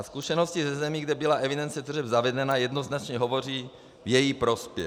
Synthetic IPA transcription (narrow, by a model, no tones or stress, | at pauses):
skuʃɛnoscɪzɛzɛmiːɡdɛbɪlaʔɛvidɛnt͡sɛt̪rɛbzavɛdɛnajɛdnoznat͡ʃɲɛɦovo̞r̝iː | vjɛjipɾospjɛ̰